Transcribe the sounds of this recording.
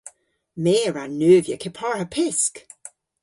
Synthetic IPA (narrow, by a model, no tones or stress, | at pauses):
meːɹanːøːvjəkʰɪpʰɔɹəpʰɪsk